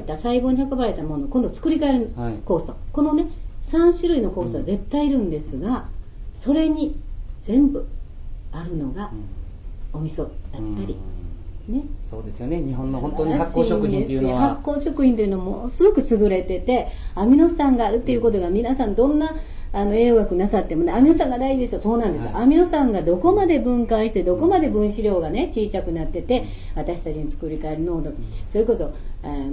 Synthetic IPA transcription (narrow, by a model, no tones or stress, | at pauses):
et̪asaibo̞ːɲ̟ihakobaɾe̞t̪amono̞kõ̞nd̪o̞t͡sɨ̥kɯ̟ɾʲikaeɾɯɯko̞ːsoko̞no̞ne̞sãɰ̃ɕiɾɯ̟ino̞ko̞ːsoɡaze̞t̪ːaiːɾɯ̟̃nd̪e̞sɨɡaso̞ɾe̞ɲ̟iz̥ẽ̞mbɯ̟aɾɯ̟no̞ɡa | omʲisojapːaɾʲi | ne̞soːd̪esɨjoneɲiɦõnːoõnt̪oɲiahakɕːiːoɯĩet̪ːejɯnehakːo̞ːɕo̞kɯ̟çʲĩnt̪̬eiɯ̟no̞amosɨɡo̞kɯ̟sɨɡɯ̟ɾe̞t̪e̞t̪e̞amʲino̞sãŋɡaːɾɯ̟t̪ːe̞iɯ̟ko̞t̪̬o̞ɡamʲinasãnd̪õ̞nːaː | no̞e̞ːβakɯ̟nasat̪ːe̞moneamʲinosãŋɡad̪aiʑid̪e̞soso̞ːnãnd̪e̞sɨjo̰ʔamʲino̞sãŋɡad̪o̞ko̞mad̪e̞bɯ̟̃ŋkaɕi̥t̪ed̪o̞ko̞mad̪e̞bɯ̟̃ɰ̃ɕiɾʲo̞ːɡane̞t͡ɕiːt͡ɕakɯ̟nat̪ːe̞t̪e̞ | βat̪aɕi̥t̪at͡ɕiɲ̟it͡sɨ̥kɯ̟ɾʲikae̞ɾɯ̟nod̪oso̞ɾe̞ko̞so̞a